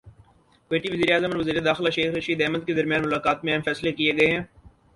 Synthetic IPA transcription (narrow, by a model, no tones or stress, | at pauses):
kweːʈiʋɐziːɾeaːzəmɔɾʋɐziːɾed̪aːxɪlaʃeːxɾɐʃiːd̪ɛːməd̪̚ked̪ɐɾmijãːnmʊlaːkaːt̪mẽɛːmfɛːslekieɡɐeɦɛ̃ː